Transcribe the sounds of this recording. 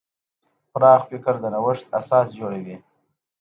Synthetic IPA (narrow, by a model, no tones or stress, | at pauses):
xʊɾɑːχfɪkəɾd̪ənawəʂt̪a̰sɑːsd͡ʒoɽawi